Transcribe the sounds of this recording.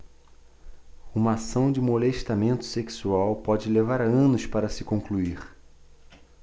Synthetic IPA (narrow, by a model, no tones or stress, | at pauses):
ũmɐasɐ̃w̃d͡ʒɪmoleʃt̪amẽnt̪ʊ̥seksuawpɔd͡ʒɪlevaɾɐ̃nʊʃpaɾɐsɪkõŋkluiɾ